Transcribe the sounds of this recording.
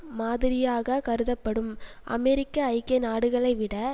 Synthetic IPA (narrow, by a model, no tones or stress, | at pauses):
maːðɪɾɪjaːɣɐkɐɾɯðɐpːɐɽɯm | ʔɐ̰mɛɾɪkːɐːɪkːɐnaːɽɯɣɐɭɐɪʋɪɽɐ